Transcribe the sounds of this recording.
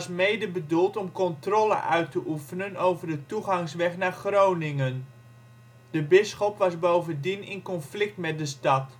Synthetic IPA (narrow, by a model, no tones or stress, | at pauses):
smejdəbədulˠtɔmkɔntrɔːlə̰ʔœɥtəʔufənənowvərdətuχɑŋsʋɛχnaːrχrownɪŋən | dəbɪsχɔpʋɑzbowvəndinɪnkɔnflɪk̚tmɛt̚dəstɑt